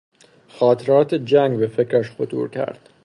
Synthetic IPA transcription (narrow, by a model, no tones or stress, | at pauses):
xɒːt̪ʰeɾɒːt̪ʰed͡ʒæŋɡbefecʰɾæʃxot̪ʰṵːɾcʰæ̰ɾd̪̥